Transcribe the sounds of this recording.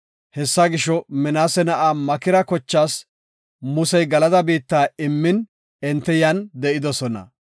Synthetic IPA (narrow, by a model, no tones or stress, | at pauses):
hɛsːɐɡɪʃɔmɛnaːsɛnɐʔaːmɐkɪɾɐkɔt͡ʃːaːs | mʊsɛjɡɐlɐd̪ɐbiːt̪ːaːɪmːɪn | ɛnt̪ːɛjɐnd̪ɛʔɪd̪ɔsɔnɐ̰